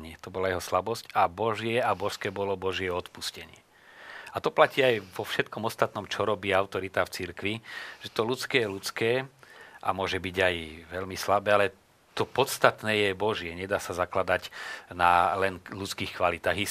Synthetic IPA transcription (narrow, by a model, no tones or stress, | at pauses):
ɲɪɛt̪ɔbɔlajɛɦɔslabɔscabɔʒɪɛabɔʃskɛːbɔlɔbɔʒɪɛɔt̪puscɛɲɪɛ | at̪ɔplaciːajʋɔfʃɛt̪̚kɔmɔst̪at̪nɔmt͡ʃɔɾɔbiːaʊt̪ɔɾit̪aːft͡siɾkʋiʒ̥ɛt̪ɔlut̪t͡skɛɛlut͡skɛːʔa̰mʊɔʒɛbiɟajʋɛlmislabɛːalɛ | t̪ɔpɔt̪st̪at̪nɛːjɛbɔʒɪɛɲɛd̪aːsazaklad̪acnalɛnlut̪t͡skiːxkʋalit̪aːɣi